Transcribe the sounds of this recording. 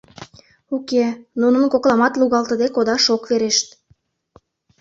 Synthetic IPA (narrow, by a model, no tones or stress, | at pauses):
ukenunə̆nkoklɑmɑt̪luɣɑlt̪əd̪ekod̪ɑʃokveɾeʃt̪